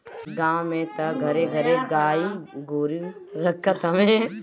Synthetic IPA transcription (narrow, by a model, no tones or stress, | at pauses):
ɡãːmẽt̪ɐɡʱɐɾeɡʱɐɾeɡaːiɡoːɾiɾɐkʰːɐt̪ɐme